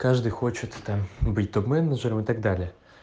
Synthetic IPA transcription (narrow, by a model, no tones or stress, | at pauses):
kaʐd̪ɨjxo̞t͡ɕɪt̪t̪ambɨtʲt̪obmɛnəʐəɾəmɨt̪aɡ̚d̪alʲɪjə